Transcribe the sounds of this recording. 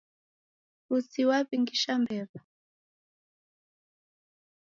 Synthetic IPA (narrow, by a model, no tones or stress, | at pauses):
ut͡siwapiŋɡiʃambɛβa